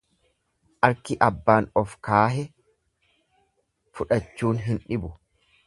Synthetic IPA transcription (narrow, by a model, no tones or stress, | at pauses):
ʔɐɾkɪʔɐbːaːnɔfkaːɦɛ | fʊᶑɐt͡ʃːuːnɦɪnᶑɪbʊ